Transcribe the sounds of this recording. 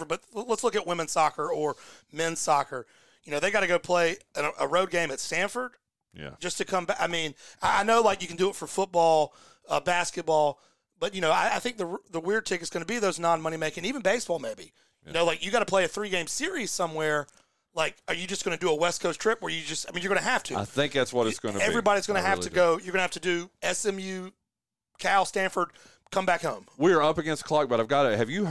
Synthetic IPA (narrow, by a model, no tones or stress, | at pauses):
ə˞bʌt̚lətslʊkɨt̚wɪ̃mɨ̃nsɑkə˞ə˞mɛ̃nsɑkə˞ | jɨnoʊðeɪɡɑɾɨɡoʊɾpʰl̥eɪɨʔəɹoʊd̚ɡẽɪ̃mɨtstæ̃nfə˞d̥̰̚ | d͡ʒ̥ʌstʰɨkʰʌ̃mbaɪmĩnaɪʔaɪnoʊlaɪkjɨkɨ̃n̩dɨːtfə˞fʊt̚b̥ɔlˠ | ʌbæskɨt̚b̥ɔlˠ | b̥ʌt̚jɨnoʊaɪaɪθɪ̃ŋk̚ðəðəwɪɹd̚tʰɪkɨtz̥ɡ̥ʌnəbiðoʊznɑ̃nmʌñimeɪkɪ̃ŋivɨ̃n̩beɪsb̥ɔlˠmeɪbi | jɨnoʊlaɪkjɨɡɑɾəpʰl̥eɪɨθɹiɡẽɪ̃mz̥sɪɹiz̥sʌ̃mwɛɹ | laɪkə˞jɨd͡ʒʌsɡ̥ʌnɨdɨːwɛskʰoʊstʰɹ̥ɪpwə˞jɨd͡ʒʌstaɪmĩnjə˞ɡʌ̃nɨɦæftʰɨ̰ɪθɪ̃ŋk̚ðætswʌɾɨtsɡ̥ʌnɛvɹibɑɾizɡʌñɨɦæftʰɨɡoʊjə˞ɡʌnɨhæftɨdɨɛsɛ̃mjʉ | kʰastæ̃nfə˞d̚ | kʰʌ̃mbækhõʊ̃mwiə˞ʌpɨɡɛ̃nskʰl̥ɑk̚b̥ʌɾaɪvɡɑɾɨhɨvjɨ